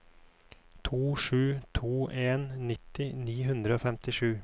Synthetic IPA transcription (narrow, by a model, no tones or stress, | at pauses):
t̪ʰuːʂʉːt̪ʰuːʔeːnːɪt̪ːɪniːɦʉnd̪ɾəoːfɛmt̪ɪʂʉː